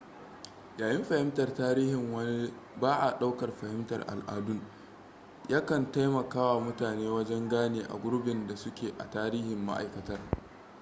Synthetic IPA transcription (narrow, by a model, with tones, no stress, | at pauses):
jaː˨jɪ˦mɸɐ˨hɪ˦mtɐ˨rtaː˦ɾiː˦hɪ˨ŋwɐ˦ni˦ | baː˦ʔa˨ɗa˦wkɐ˨rɸɐ˨hɪ˦mtɐ̰˨rʔa̰˨lʔa̰ː˨dʊ˦ŋ | jaː˦kɐ˨nta˦jmɐ˨kaː˦wa˨mʊ˦taː˨neː˦wɐ˦d͡ʒɛ˦ŋɡaː˦neː˨ʔa̰˨ɡʷʊ˦ɾbɪ˨nda˨sʊ˦kʲeː˨ʔa̰˨taː˦ɾiː˦hɪ˨mːa̰˦ʔa̰˨jkɐ˨tɐ˦r